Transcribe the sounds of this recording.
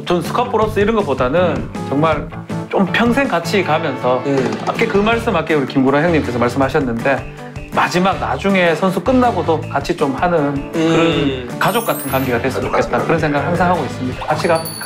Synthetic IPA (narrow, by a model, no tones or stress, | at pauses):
t͡ɕonsʰɯ̥kʰapʰoɾʌs͈ʌiɾʌnɡʌp͈odanɯn | t͡ɕʌŋmaɭ | t͡ɕ͈ompʰjʌŋsʰe̞ŋkat͡ɕʰikamjʌnsʰʌa̰kʰekɯmaɭs͈ɯmhakʰeuɾikimɡuɾaɦeŋɲimk͈e̞sʰʌmaɭs͈ɯmɦhaɕʰʌnːɯnde̞ | mad͡ʑimak̚nad͡ʑuŋe̞sʰʌnsʰuk͈ɯnːaɡodokat͡ɕʰit͡ɕomhanɯnkɯɾʌnkad͡ʑok͈atʰɯnkaŋɡiɡadwes͈ubaet̚t͈akɯɾʌnsʰe̞ŋɡaɡɯɭhaŋsʰaŋɦaɡois͈ɯmɲidakat͡ɕʰiɡa